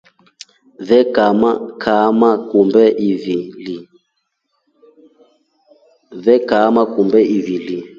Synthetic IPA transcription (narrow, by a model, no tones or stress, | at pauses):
vɛkamakʰamakumbɛʔivili | vɛkamakumbɛʔivili